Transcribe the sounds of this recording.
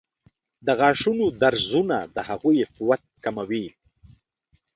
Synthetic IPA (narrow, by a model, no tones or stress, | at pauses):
d̪əɣɑːʃunod̪aɾzunad̪əhaɣujfʊwat̪̚kamawi